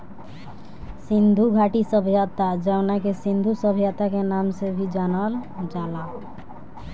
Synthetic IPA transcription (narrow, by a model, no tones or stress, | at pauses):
sind̪ʱuɡʱaʈisəbʱjat̪ad͡ʒənakesĩnd̪ʱusəbʱjat̪akenamsebʱid͡ʒanəld͡ʒala